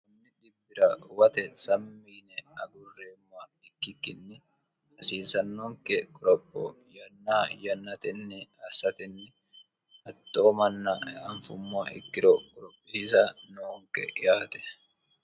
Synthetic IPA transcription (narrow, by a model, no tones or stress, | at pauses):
kʊnːɪᶑɪbːɪɾɐwɐt̪ɛsɐmːiːnɛɐɡʊrːeːmːʊa | ɪkːɪkːɪnːɪ | hɐsiːsɐnːoːŋkɛkʼɔɾɔpʼːɔ̰jɐnːaːjɐnːɐt̪ɛnːɪɐsɐt̪ɛnːɪ | ɐt̪ːoːmɐnːɐɐɱfʊmːaɪ̰kːɪɾɔkʼɔɾɔpʼːɪs̬anoːŋkɛ̰ʔɪjaːt̪ɛ̥